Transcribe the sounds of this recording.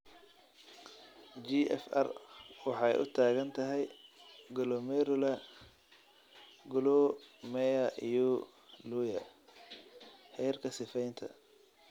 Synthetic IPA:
d͡ʒiʔɛ̰fɐ̰rwɑħɑjʔʊ̰t̪ʰaːɣɐnt̪ʰɐɦɛjɡɔlɔmɛɾʊlɐ | ɡɔlɔmɛjɐʔijɔ | luːjɐ | hɛjrkʰɐsɪfɛjnt̪ʰɐ̰

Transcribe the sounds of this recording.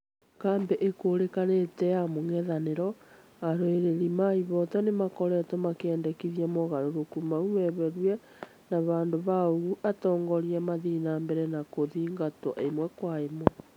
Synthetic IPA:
kaːmbɛʔekoːɾekanetɛjamoŋɛðaneɾɔ | aɾoeɾeɾimaiβɔtɔnemakɔɾɛtɔmakɛːndɛkiðiamoɣaɾoɾokumaumɛβɛɾwɛ | naβaːndoβaoɣuʔatɔːŋɡɔɾiamaðinambɛɾɛnakoðiːŋɡatɔʔemwɛkwaemɔ

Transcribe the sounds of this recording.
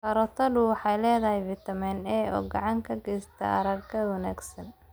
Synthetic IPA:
kɐɾɔt̪ʰɐdʊwɑħɑjlɛːðɐɦɛjvɪt̪ʰɐmɛnɛːɔ̰ːɡɑʕɑŋkʰɐɡɛjst̪ʰɐ̰ʔɐ̰ɾɐɡkʰɐwɐnaːɡsɐn

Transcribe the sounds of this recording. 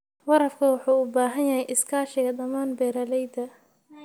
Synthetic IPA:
wɐɾɐfkʰɐwɑħuːʊbaːɦɐnjɐɦɛjʔɪskʰaːʃɪɣɐd̪ɐmaːnbɛːɾɐlɛjd̪ɐ

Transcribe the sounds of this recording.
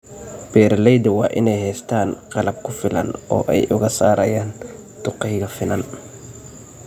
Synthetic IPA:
b̥ɛːɾlɛjd̪ɐwɑːʔɪnɛjhɛːst̪ʰaːnqɑlɐb̚kʰʊfɪlɐ̰nɔ̰ːʔɛjʔʊɣɐsaːɾɐ̰jaːn | t̪ʊqɛjɣɐfɪnɐn

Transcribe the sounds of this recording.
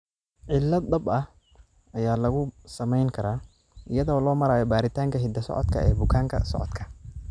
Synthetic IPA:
ʕɪlːɐd̪d̪ɐbɐh | ɐjaːlɐɣʊsɐmɛjŋkʰɐɾaː | ʔɪjɐðɔːlɔːmɐɾaːjɔbaːɾɪt̪ʰaːŋkʰɐɦɪd̪ɐsɔ̰ʕɔ̰d̪kʰɐ̰ɛ̰ːbʊkʰaːŋkʰɐ̰sɔ̰ʕɔ̰d̪kʰɐ̥

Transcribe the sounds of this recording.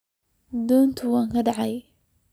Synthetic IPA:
d̪uːnt̪ʰʊwaːŋkʰɐɖaʕaj

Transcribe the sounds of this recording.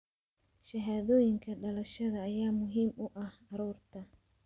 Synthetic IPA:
ʃɐɦaːðɔːjɪŋkʰɐɖɐlɐʃɐðɐːjaːmʊɦiːmʊʔɐhɐɾuːrt̪ʰɐ

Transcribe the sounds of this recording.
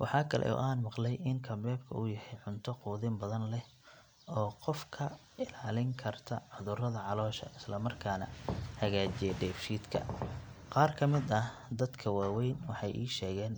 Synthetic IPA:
wʔɑħɑːkʰɐlʔɛ̰ʔɔ̰ːʔaːnmɑqlɛjʔɪŋkʰɐmbɛːbkʰɐʔuːjɐhɛjʕʊnt̪ʰɔquːðɪmbɐðɐnlɛh | ɔːqɔfkʰɐ | ɪlaːlɪŋkʰɐrt̪ʰɐ̰ʕʊðʊrɐðɐʕɑlɔːʃɐ̰ʔɪslɐmɐrkʰaːnɐ̰hɐɣaːt͡ʃɛɖɛːfʃiːd̪kʰɐ̰qɑːrkʰɐmɪd̪ɐh | d̪ɐd̪kʰɐwaːwɛjnwɑħɑjʔiːʃɛːɣɛːn

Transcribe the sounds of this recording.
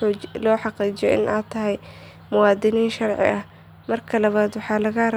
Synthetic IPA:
lɔːħɑqiːt͡ʃɪjɔʔɪ̰nʔa̰ːt̪ʰːɐɦɛj | mʊwɑːd̪ɪniːnʃɑrʕɪ̰ʔɐh | mɐrkʰɐlɐβaːd̪wɑħɑːlɐɣɐr

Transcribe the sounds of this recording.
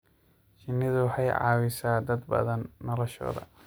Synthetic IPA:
t͡ʃɪnːɪðʊwɑħɑjʕɑ̰ːwɪsaːd̪ɐd̪bɐ̰ðɐnːɔlɔʃɔ̰ːðɐ̰

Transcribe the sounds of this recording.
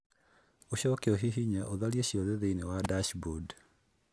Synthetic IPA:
oɕɔkeoɦiɦiɲaʔoðalieɕiɔðɛðeinewadaʃbud

